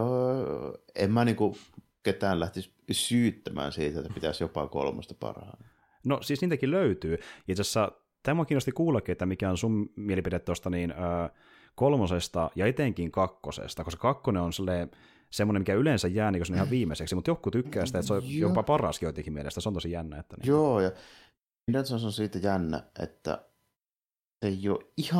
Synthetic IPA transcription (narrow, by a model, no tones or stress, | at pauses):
emmæniːŋku | ket̪æːnlæht̪is | syːt̪ːæmæ̰ːnsiːt̪et̪ːæpit̪æsjopɑ̰ko̰lmo̰st̪ɑpɑ̰rɑ̰n | nosiːsniːt̪ækilløyt̪yːjɑt̪æsːæ | t̪æːmuɑkiːnost̪ikuːlːɑkːiet̪ːæmikæonsummielipidet̪ːost̪ɑniːnøː | kolmosest̪ɑjɑet̪eŋkiŋkɑkːosḛst̪ɑkosekɑkːoneonselːeː | semːonemikæylensæjjæːniːŋkøsonihɑʋʋiːmeseksimut̪jokːut̪ykːæːsi̥t̪æet̪sojopɑpɑrɑ̰skioit̪ekimielḛst̪æseont̪osijænːæḛt̪ːænḭjoːjɑ | net̪sɑnsosiːt̪æjænːæ̰ʔḛt̪ːæ̰ | eejo̰ːʔihɑ